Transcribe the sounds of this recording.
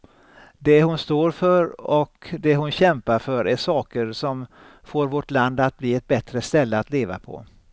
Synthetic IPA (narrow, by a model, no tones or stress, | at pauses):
d̪ɛhʊnst̪oːɾfœɾɔkd̪ɛɦʊnɕɛmpaɾfœɾʔæʂɑːkəɾsɔm | foːɾvɔʈland̪at̪̚bliːɛt̪̚bɛt̪ɾəst̪ɛlːəat̪leːva̰pʰɔ̰